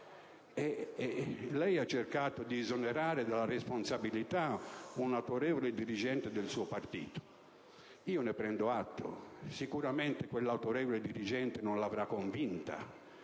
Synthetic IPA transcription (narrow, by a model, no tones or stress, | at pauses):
ɛ | lɛjat͡ʃːerkaːt̪ʊd̪iːzoneɾaːɾɪd̪alaɾesponsabilit̪aunawt̪oɾɛːvolɪd̪iɾid͡ʒɛnt̪ɪd̪ɪlsuːopart̪ḭːt̪o̥ | iːonepɾɛnd̪oat̪ːo̰sikuɾament̪ɪkwelːawt̪oɾɛːvoleɪd̪iɾid͡ʒɛnt̪ɪnonlavɾakːoɱvint̪a̰